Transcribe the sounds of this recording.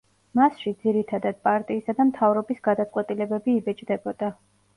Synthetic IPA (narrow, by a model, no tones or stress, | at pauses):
masʃid̪ziɾit̪ʰad̪ad̪̥̚pʼaɾt̪ʼiːsad̪amt̪ʰavɾɔbisɡad̪at̪sʼqʼwɛt̪ʼilɛbɛbiːbɛt͡ʃʼd̪ɛbɔd̪̥a